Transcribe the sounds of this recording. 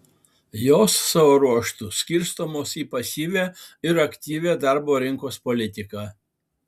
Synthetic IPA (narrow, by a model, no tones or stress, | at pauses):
joːsːɑʋoːɾuɔʃt̪ʊsʲkʲɪɾst̪oːmoːsiːpɐsʲiːʋʲæːɪɾɐkt̪ʲiːʋʲæːd̪ɑˑɾboːɾʲɪŋkoːspɔlʲɪt̪ʲɪkɑː